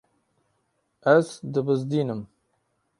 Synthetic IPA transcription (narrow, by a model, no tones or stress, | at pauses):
æzd̪ɨbɨzd̪iːnɨm